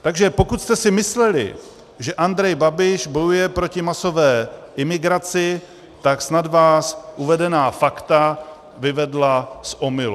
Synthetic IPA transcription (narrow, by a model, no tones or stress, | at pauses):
t̪aɡʒɛpo̞kut̪st̪ɛsɪmɪslɛlɪ̰ | ʒɛʔand̪ɾɛjbabɪʃbo̞jujɛpɾo̞cɪmaso̞vɛːʔɪmɪɡɾat͡sɪ | t̪aksnadvaːsʔuvɛdɛnaːfakt̪a | vɪvɛdlasʔomɪlu